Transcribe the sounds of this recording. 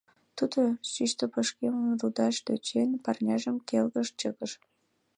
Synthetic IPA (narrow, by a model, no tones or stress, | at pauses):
t̪ud̪oʃyʃt̪əpəʃkemənrud̪ɑʃt̪ø̰t͡ɕenpɑrnʲɑʒəmkelɣəʃt͡ɕəɣəʃ